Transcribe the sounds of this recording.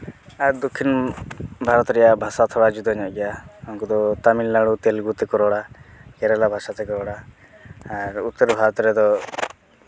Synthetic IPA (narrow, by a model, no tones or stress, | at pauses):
aɾd̪ɔkʰːin | bʱaɾɔt̪ɾɛjabʱasat̪ʰɔɽad͡ʒud̪ɔɲɔʔɡɛjaɔŋkɔd̪ɔt̪amilːaɽut̪elɡut̪ɛkɔɾɔɽaɡɛɾɛlabʱasat̪ɛkɔɾɔɽaː | ɾut̪ːɔɾbʱaɾɔt̪ɾɛd̪ɔ